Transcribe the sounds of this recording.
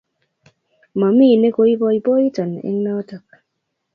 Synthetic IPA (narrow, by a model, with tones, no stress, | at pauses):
ma˨mi˦˨ne˦ko˦i˦bɔ˦i˦po˦i˦tɔ˨nḛ˦ŋna˦ɔ˦tɔ˨k̚